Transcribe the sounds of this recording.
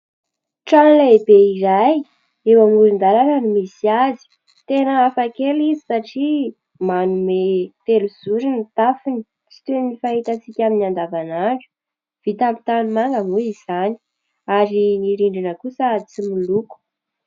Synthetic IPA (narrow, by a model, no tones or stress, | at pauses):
ʈ͡ʂanleebeiɾaj | ewamuɾind̪aɾananimisiazi̥ | t̪enəːfakelizi̥saʈ͡ʂi | manumet̪eluz̥uɾinit̪afini̥ | t͡si̥t̪ennifaɦit̪at͡sikʲaminand̪avanaɳʈ͡ʂu̥ | v̥it̪ampi̥t̪anumaŋɡəmuiz̥ani̥ | aɾiniɾiɳɖ͡ʐinəkusət͡similuku̥